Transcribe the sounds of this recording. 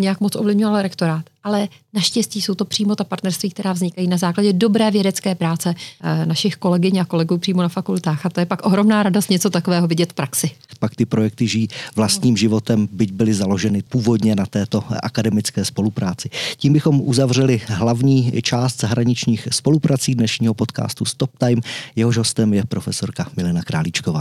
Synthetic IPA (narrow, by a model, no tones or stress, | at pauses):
ɲɛjakmot͡sʔovlɪvɲovalɾɛkt̪o̞ɾaːt̪alɛnaʃcɛsciːso̞wt̪o̞pr̥iːmo̞t̪apaɾt̪nɛɾst̪viːk̚t̪ɛɾaːvzɲɪkajiːnazaːklaɟɛdo̞bɾɛːvjɛdɛt͡skɛːpɾaːt͡sɛnaʃɪxko̞lɛɡɪɲako̞lɛɡuːpr̝̥iːmo̞nafakult̪aːxat̪ojɛpakʔo̞ɦɾo̞mnaːɾadost̪ɲɛt͡so̞t̪ako̞vɛːɦo̞vɪɟɛt̪fpɾaksɪpakt̪ɪpɾo̞jɛk̚t̪ɪʒiːvlast̪ɲiːmʒɪvo̞t̪ɛmbɪɟbɪlɪzalo̞ʒɛnɪpuːvo̞dɲɛnat̪ɛːt̪o̞ʔa̰kadɛmɪt͡skɛːspo̞lupɾaːt͡sɪciːmbɪxo̞mʔuzavr̝ɛlɪɦlavɲiːt͡ʃaːst̪z̥aɦɾaɲɪt͡ʃɲiːxspo̞lupɾat͡siːdnɛʃɲiːɦo̞po̞t̪ka̰ːst̪ust̪op̚t̪ajmjɛɦoʒɦo̞st̪ɛmjɛpɾo̞fɛso̞ɾkamɪlɛnakɾa̰ːlit͡ʃkovaː